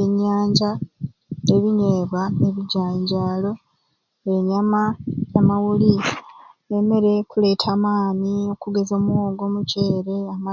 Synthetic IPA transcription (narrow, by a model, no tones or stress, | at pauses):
eɲːaːɲɟa | eβiɲeːβaeβiɟaːɲɟaːlo̞ | eɲamaamawuli | eme̞ɾe̞kule̞ːtʰaːmaːnio̞kuɡe̞zo̞mwo̞ːɡo̞muceːɾe̞ama